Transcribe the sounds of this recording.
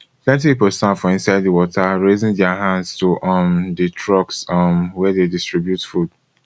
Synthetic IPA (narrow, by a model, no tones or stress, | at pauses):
plɛ̃ntipipolstãnfɹɔ̃ĩnsaɪdðəwɔtʰaɹezɪ̃ŋdɛaɦãndztuʔɔmditʰɹɔksmwɛdedistɹibjutfud̥